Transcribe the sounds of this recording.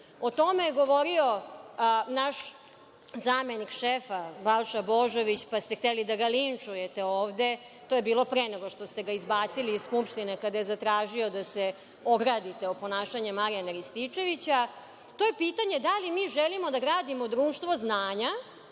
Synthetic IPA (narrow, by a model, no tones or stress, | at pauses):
ot̪o̞mejeɡo̞ʋoɾio̞ | naʃ | zaːmenikʃefabalʃabo̞ʒo̞ʋit͡ɕpast̪ext̪elid̪aɡalint͡ʂujet̪eoːʋd̪e̞ | t̪o̞jebiːlo̞pɾeneɡo̞ʂt̪o̞st̪eɡaizbaːt̪siliːzskupʃt̪inekad̪ajezat̪ɾaːʒio̞d̪ase | oɡɾad̪it̪eopo̞naːʃaɲemaɾianaɾist̪it͡ʂe̞ʋit͡ɕa | t̪o̞je̞piːt̪aɲed̪alimiːʒelimo̞d̪aɡɾaːd̪imod̪ɾuːʃt̪ʋo̞znaːɲa